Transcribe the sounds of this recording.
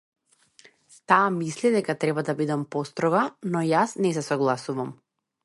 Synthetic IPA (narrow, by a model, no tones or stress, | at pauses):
t̪aːmislid̪ɛkat̪ɾɛbad̪abid̪ɛmpɔst̪ɾɔɡanɔjasnɛsɛsɔɡlˠasuvam